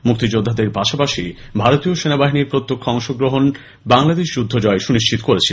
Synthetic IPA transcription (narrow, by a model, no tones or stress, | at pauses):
muk̚t̪id͡ʑod̪ʱːad̪eɾpaʃapaʃi | bʱaɾot̪ioʃenabaɦiniɾpɾot̪ːokʰːɔŋʃoɡɾoɦon | baŋlad̪eʃd͡ʑud̪ʱːod͡ʑɔeʃuniʃt͡ɕit̪o̥koɾet͡ɕʰi